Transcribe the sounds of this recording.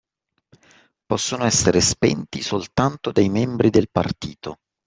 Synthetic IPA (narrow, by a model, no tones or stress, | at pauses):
pɔsːonoɛsːeɾespɛ̰nt̪isolt̪ant̪od̪ajmɛmbɾid̪elpa̰rt̪iːt̪o